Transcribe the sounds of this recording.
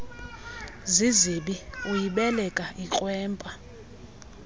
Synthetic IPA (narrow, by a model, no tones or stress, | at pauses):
ziziɓiujiɓɛlɛkʼaʔikʼwɛːmpʼa